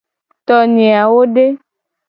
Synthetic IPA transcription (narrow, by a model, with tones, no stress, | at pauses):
t̪ɔ˨nĩ˨a˨wo˦ɖe˦